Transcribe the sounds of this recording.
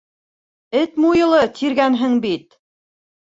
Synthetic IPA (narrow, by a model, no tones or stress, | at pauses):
ɘt̪mujɤ̆lˠɤt̪ʰiɾɡænɦɘŋbit̪